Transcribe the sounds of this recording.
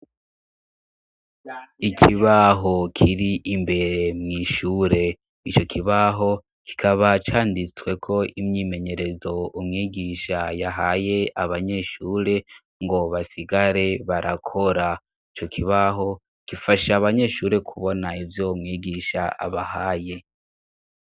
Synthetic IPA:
ikʰiβaɦo̞kʰiɾiʔimbe̞ɾe̞mŋiːʃuːɾe̞ | it͡ʃo̞kʰiβaɦo̞ | ki̥kʰaβat͡ʃaːndit͡swe̞kʰo̞imɲiːme̞ɲe̞ɾe̞zo̞umŋiːɡiʃajaɦaje̞aβaɲe̞ʃuːɾe̞ | ŋɡo̞βasiɡaɾe̞βaɾʔakʰo̞ɾa | it͡ʃo̞kʰiβaɦo̞ | kifaʃaβaɲe̞ːʃuːɾe̞kʰuβo̞naivjomŋiːɡiʃaʔa̰βahaːje̞

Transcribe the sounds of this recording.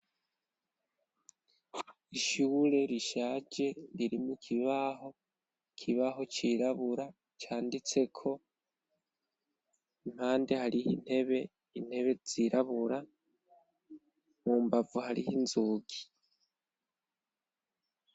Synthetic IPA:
iʃuːɾe̞ɾiʃaːɟe̞ɾiɾimukʰiβaɦo̞ | kʰiβaɦo̞t͡ʃiɾaβuɾa | t͡ʃaːndit͡se̞kʰo̞ | im̥haːnde̞haɾihḭn̥he̞βe̞ | in̥he̞βe̞z̥iɾaβuɾa | muːmbavuhaɾḭhinzuːɡi

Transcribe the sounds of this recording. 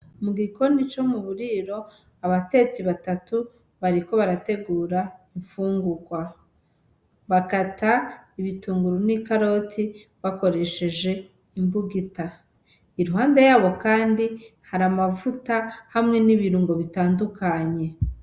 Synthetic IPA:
umuɡiko̞ndit͡ʃo̞muβuɾiɾo̞ | aβate̞t͡siβatatu | βaɾiko̞βaɾate̞ɡuːɾaiɱfuːŋɡuɡwa | βakataiβituːŋɡuɾunikaɾo̞tʰiβako̞ɾe̞ʃe̞d͡ʒe̞ | imbuɡita | iɾuɦaːndejaːβo̞kaːndihaɾamavutahamŋe̞niβiɾuːŋɡo̞βitaːndukaɲe̞

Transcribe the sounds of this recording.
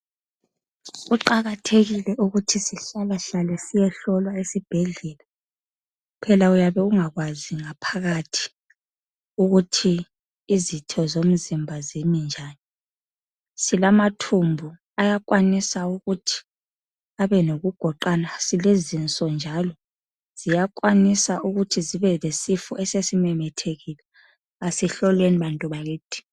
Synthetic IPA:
ɣuǃaɣatʰeɣilɛʔuɣutʰisiɬalaɬalɛsijɛɬɔlwaesib̥ʱɛɮɛla | pʰɛlaujaβɛuŋaɣwaziŋapʰaɣatʰi̥ | uɣutʰiː | zitʰɔzom̩zimbʱazemind͡ʒʱaːni | silamatʰumbʱu | ajakʼwanisauɣutʰi̥ | aβɛnoɣuɡ̥ʱɔǃanasilezint͡sʼɔnd͡ʒʱalɔ | z̥ijakʼwanisaʔuɣutʰiziβɛlesifṵʔɛsesimɛmɛtʰeɣilɛ | asiɬɔlweniβantʼuβaɣiːtʼʰi̥

